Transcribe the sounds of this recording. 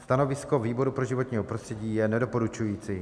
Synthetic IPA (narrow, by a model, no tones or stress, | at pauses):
st̪ano̞vɪsko̞viːbo̞ɾupɾoʒɪvo̞t̪ɲiːɦopɾost̪r̥ɛɟiːjɛnɛdo̞po̞ɾut͡ʃujiːt͡si